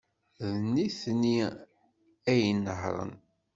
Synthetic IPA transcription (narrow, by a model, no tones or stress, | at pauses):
ðnːiθni | æjnːəhɾˤə̰n